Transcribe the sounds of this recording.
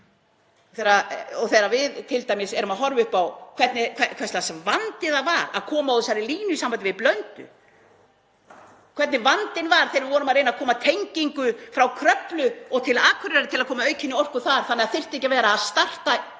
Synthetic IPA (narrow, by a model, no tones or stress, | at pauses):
ɔθejɾaɔɣθejɾavɪðt̪ʰɪlt̪aːjmɪsɛɾʏmaðɦɔɾvʏhpawkʰvɛt̪nɪkʰvɛkʰvɛstlasmvant̪ɪðavaɾa̰ðkʰɔːmaɔðɪsaɾɪliːnʏisambant̪ɪvɪplœnt̪ʏ̰ | kʰv̥ɛt̪nɪvant̪ɪnvaɾ̥θeːɾvɪvɔːɾʏmaðɾejnaðkʰɔːmat̪ʰejɲciŋkʏfɾawkʰɾœplʏɔɣt̪ʰɪlaːkʰvʏɾɪɾaɾɪt̪ʰɪlaðkʰɔːmaœɥcʰɪnːɪɔr̥kʏɾ̥θaɾ̥θanːɛɣaðθɪr̥t̪ehcavɛːɾaːðst̪ar̥t̪a